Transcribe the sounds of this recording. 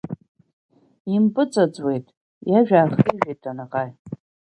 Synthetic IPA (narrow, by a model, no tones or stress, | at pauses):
impʼɨt͡sʼat͡sʼwe̞jtʼ | jaʒᶣaːχiʒᶣejtʼʰanaqʼaj